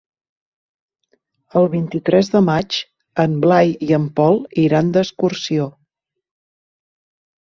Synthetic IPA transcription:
əlˠβint̪it̪ɾɛzðəmat͡ʃ | əmblajiəmpɔlˠiɾand̪əskursio

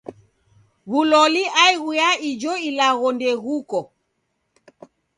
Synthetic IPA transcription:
ɣulɔliaiɣujaid͡ʒɔilaɣɔndɛɣukɔ

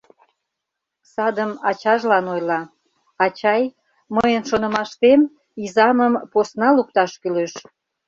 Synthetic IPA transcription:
sɑd̪əmɑt͡ɕɑʒlɑnojlɑ | ɑt͡ɕɑj | məjənʃonə̆mɑʃt̪em | izɑməmposnɑluk̚t̪ɑʃkyløʃ

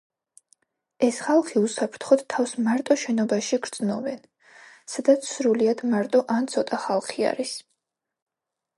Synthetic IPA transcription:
ɛsχalˠχiusapʰɾt̪ʰχɔt̪t̪ʰːafsmaɾt̪ʼɔʃɛnɔbaʃiɡɾd̪z̥nɔvɛn | sad̪at̪sʰsɾuliad̪maɾt̪ʼɔʔant̪sʰɔt̪ʼaχalˠχia̰ɾis

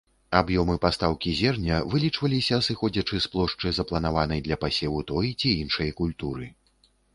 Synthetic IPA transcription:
abjɔmɨpast̪awkʲizʲɛrnʲɐvɨlʲit͡ʂvɐlʲisʲɐsɨxɔd͡zʲɐt͡ʂɨsplˠɔʂt͡ʂɨzɐplˠɐn̪avanɐjd̪lʲɐpasʲɛwut̪ɔjt͡sʲiinʂɐjɐkulʲt̪uɾɨ

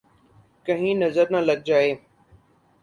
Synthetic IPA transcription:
kɐ̃ɦĩnɐzəɾnɐlɐɡ̚d͡ʒaːeː

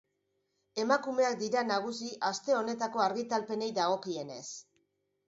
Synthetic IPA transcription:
e̞makume̞ak̚d̪iɾanaɣ̞usiʔast̪e̞o̞ne̞t̪ako̞aɾɣit̪alpe̞ne̞jd̪aɣ̞o̞kie̞ne̞̰s

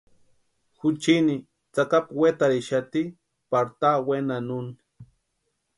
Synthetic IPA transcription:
xʊt͡ʃini | t͡sakapwet̪aɾiʃat̪i | paɾt̪awenanuni̥

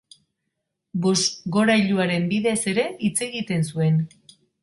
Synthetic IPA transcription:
bo̞sɡo̞ɾajʎuaɾe̞mbiðe̞se̞ɾe̞it͡se̞ɣit̪e̞nsue̞n

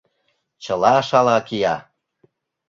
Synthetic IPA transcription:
t͡ɕəlɑʃɑlɑkijɑ

